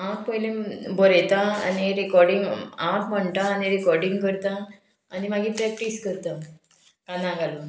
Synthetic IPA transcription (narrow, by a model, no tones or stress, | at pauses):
appəjlẽboɾejt̪ãa̰neɾikɔɾɖiŋɡapm̤əɳt̪aːniɾikɔɾɖiŋɡkəɾt̪ãː | nimaɡiːpɾɛk̚ʈiskəɾt̪a | kãnãɡalu